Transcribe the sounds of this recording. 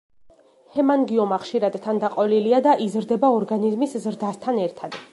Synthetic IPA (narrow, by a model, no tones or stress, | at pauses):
hɛmaŋɡiɔmaχʃiɾad̪t̪ʰːand̪aqʼɔliliad̪aʔizɾd̪ɛbaɔɾɡanizmiszɾd̪ast̪ʰanɛɾt̪ʰad̪̥